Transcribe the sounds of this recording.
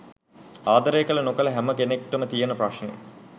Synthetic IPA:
aːd̪ɐɾeːkɐlɐnokɐlɐɦæməkenek̚ʈːɐmət̪ijɐnɐprɐʂnɐjḛ

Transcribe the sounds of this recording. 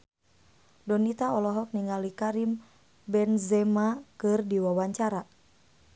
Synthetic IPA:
dɔnit̪aɔlɔɦɔk̚niŋalikaɾim | bɛnzɛmakɨrdiwawaɲt͡ʃaɾa

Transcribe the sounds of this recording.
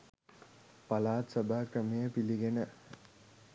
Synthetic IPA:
palaːt̪səbaːkɾəmijəpiliɡenə

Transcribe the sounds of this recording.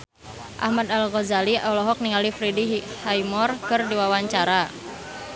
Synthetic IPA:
ʔa̰hmad̪alɣɔzaliʔɔlɔɦɔk̚niŋalifɾidihajmɔrkɨrdiwawaɲt͡ʃaɾa

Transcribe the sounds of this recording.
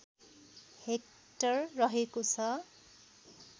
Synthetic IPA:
hek̚ | tʌɹːʌɦekosʰʌ

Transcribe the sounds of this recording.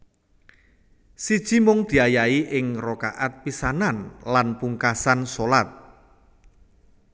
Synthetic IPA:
sid̥ʒ̥i̤mʊŋd̪̥i̤ajaiʔɪŋrokaʔat̪̚pisananlanpuŋkasansolat̪̚

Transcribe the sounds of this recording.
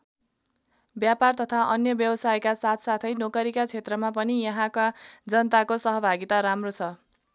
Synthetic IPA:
bjapart̪ʌt̪ʰaʔʌnjʌbjʌbʌsajkasat̪ʰsat̪ʰʌjnokʌɾikat͡sʰet̪rʌmapʌnijʌɦãkad͡zʌnt̪akosʌɦʌbʱaɡit̪aɾamrot͡sʰʌ

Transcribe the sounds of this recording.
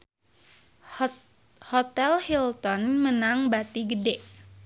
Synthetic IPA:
hɔt̪ɛlhilt̪ɔnmənaŋbat̪iɡədɛʔ

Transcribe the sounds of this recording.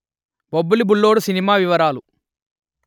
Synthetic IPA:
bobːulibulːoːɽusinimaːʋiʋɐɾaːlu

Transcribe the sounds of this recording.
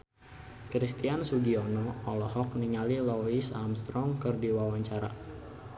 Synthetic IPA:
kɾist̪iansuɡiɔnɔɔlɔɦɔk̚niŋalilɔisamst̪ɾɔŋkɨrdiwawaɲt͡ʃaɾa̰

